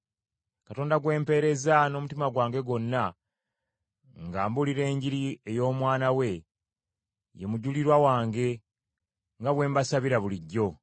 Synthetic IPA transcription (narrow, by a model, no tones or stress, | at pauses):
katoːndaɡwe̞ːmpe̞ːɾe̞zano̞mutimaɡwaːŋɡe̞ɡo̞nːa | ŋɡaːmbuliɾe̞ːɲɟiɾie̞jo̞ːmwaːnawe̞ | je̞muɟuliɾwawaːŋɡe̞ | ŋɡaβwe̞ːmbasaβiɾaβuliɟːo̞